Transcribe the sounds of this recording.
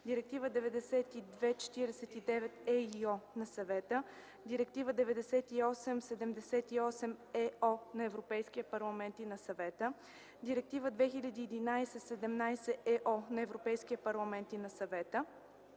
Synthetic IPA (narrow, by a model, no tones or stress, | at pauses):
d̪iɾɛk̚t̪ivəd̪ɛvɛd̪ɛsɛt̪id̪vɛt͡ʃɛ̥t̪iɾɛsɛt̪id̪ɛvɛt̪ɛiɔnɐsɐvɛt̪ə | d̪iɾɛk̚t̪ivəd̪ɛvɛd̪ɛsɛt̪iɔsɛmsɛd̪ɛmd̪ɛsɛt̪iɔsɛmɛɔnɐɛvɾopɛjskiɛpɐɾlˠɐmɛnt̪inɐsɐvɛt̪ə | d̪iɾɛk̚t̪ivəd̪vɛxilʲɐd̪iːd̪inajsɛsɛd̪ɛmnajsɛʔɛʔɔnɐɛvɾopɛjsk̟iɛpɐɾlˠɐmɛnt̪inɐsɐvɛt̪ə